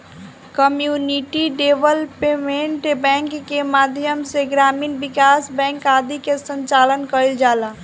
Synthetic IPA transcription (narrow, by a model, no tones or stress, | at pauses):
kəmjuniʈiɖeʋəlpemeʈbɛ̃ŋkːemaːd̪ʱjəmseɡɾaːmiːnbɪkaːsbɛ̃ːŋkad̪ikesə̃ɲt͡ʃaːlənkəild͡ʒaːla